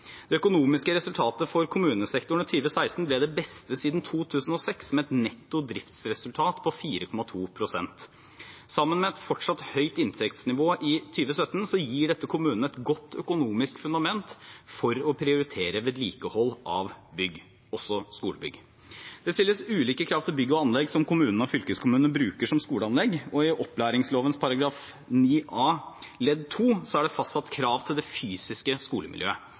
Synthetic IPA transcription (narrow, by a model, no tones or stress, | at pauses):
d̪̥ɛœkʊnuːmɪskəɾɛsʉlt̪ʰɑːt̪əfɔɾkʰʊmʉːnəsɛkt̪ʊɳ̩ɪt̪ʰyːʋəsæɪst̪n̩blɛd̪ɛbɛst̪əsiːd̪nt̪ʰuːt̪ʰʉːsn̩ɔsɛksmɛɛt̪nɛt̪ːʊd̪ɾɪft̪sɾɛsʉlt̪ʰɑːt̪pʰɔfiːɾəkʰɔmɑt̪ʰuːpʰɾʊsɛnt̪ | sɑmːənmɛɛt̪fɔʈʂɑt̪hœʏt̪ɪnt̪ʰɛkt̪snɪʋoːʔɪt̪ʰyːʋəsœt̪ːn̩sɔjiːɖɛt̪ːəkʰʊmʉːnnəɛt̪ɡɔt̪ʰːœkʊnuːmɪskfʉnd̪ɑmɛnt̪fɔɾɔpʰɾɪʊɾɪt̪ʰeːɾəʋeːd̪lḭːkəhɔlːʔɑʋbʏɡː | ɔsɔskuːləbʏ̰ɡ | d̪̥ɛst̪ɪlːəsʉːliːkəkʰɾɑːʋt̪ʰɪlbʏɡːəɔɑnlɛɡsɔmkʊmʉːnən̩ɔfʏlkəskʰʊmʉːnənbɾʉːkəʂɔmskuːləɑnlɛɡːɔɪʔɔplæːɾɪŋsloːʋənspʰɑɾɑɡɾɑːf | niːʔɑːlɛd̪t̪ʰuːsɔæɖɛfɑst̪sɑt̪kʰɾɑːʋt̪ʰɪld̪ɛfyːsɪskəskuːləmʔɪ̰ljø̰ːə